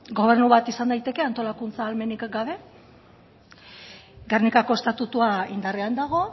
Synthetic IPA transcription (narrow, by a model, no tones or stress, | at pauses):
ɡo̞β̞e̞rnuβat̪isand̪ajt̪e̞ke̞ant̪o̞lakunt͡saːlme̞nikɡaβe̞ | ɡarnikako̞est̪at̪ut̪uaind̪areand̪aɣ̞o̞